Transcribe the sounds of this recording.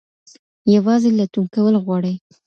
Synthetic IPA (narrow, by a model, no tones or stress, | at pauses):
jawɑzelat̪umkawəlɣwɑɽəj